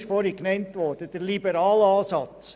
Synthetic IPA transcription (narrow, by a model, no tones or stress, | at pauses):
ʃfɔɾiknɛntʋɔɾd̥əd̥əɾlibəɾɑːlɑːsɑt͡s